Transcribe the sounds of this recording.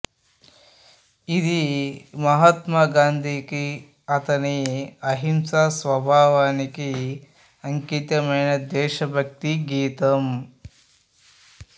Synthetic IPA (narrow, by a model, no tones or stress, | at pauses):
id̪imɐɦɐt̪maːɡaːnd̪ʱiki | ɐt̪ɐniɐɦimsasʋɐbʱaːʋaːniki | ɐŋkit̪jɐmɐɳɐd̪eːʃɐbʱɐk̚t̪iɡiːt̪ɐm